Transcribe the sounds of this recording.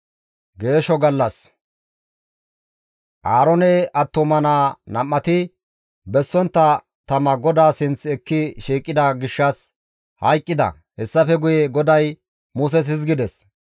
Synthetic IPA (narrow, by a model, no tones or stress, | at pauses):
ɡe̞ːʃɔɡɐlːɐs | ʔaːɾɔnɛʔɐt̪ːɔmɐnaːnɐmːɐt̪ɪ | bɛsːɔnt̪ːɐ | t̪ɐmɐɡɔd̪aːsɪnt͡sɛkːɪʃiːkʼːɪd̪ɐɡɪʃːɐs | hɐjkʼːɪd̪ɐ̰ | hɛsːɐfɛɡʊjɛɡɔd̪ɐj | mʊs̬ɛs̬hɪs̬ɡɪd̪ɛs